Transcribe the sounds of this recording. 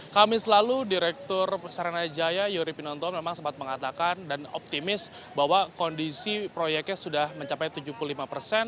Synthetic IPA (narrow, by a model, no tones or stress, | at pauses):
kamɪslaludiɾɛk̚t̪ɔrsaɾanad͡ʒajajuɾipinɔnt̪ɔmemaŋsəmpat̪̚məŋat̪akandanɔ̰p̚t̪imɪs | baɦwakɔndisipɾojɛk̚ɲasudahməɲt͡ʃapajt̪ud͡ʒupululimapərsɛn